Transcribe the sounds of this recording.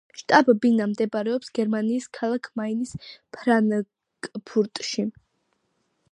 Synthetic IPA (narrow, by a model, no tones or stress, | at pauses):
ʃt̪ʼabbinamd̪ɛbɾɛɔpsɡ̥ɛɾmaniːskʰalˠakʰmainispʰɾan | kʼpʰuɾt̪ʼʃi